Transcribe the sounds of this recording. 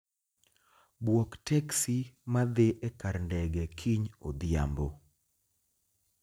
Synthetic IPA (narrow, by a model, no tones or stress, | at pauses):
bwoktɛksimad̪eʔɛkarndɛɡɛkʰiɲo̰d̪ɪja̰mbo